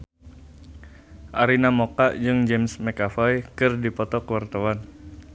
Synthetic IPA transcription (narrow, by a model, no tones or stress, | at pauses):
ʔaɾinamokaʔd͡ʒɨŋd͡ʒɛmsmɛkafajkɨrdipɔt̪ɔkəwart̪awan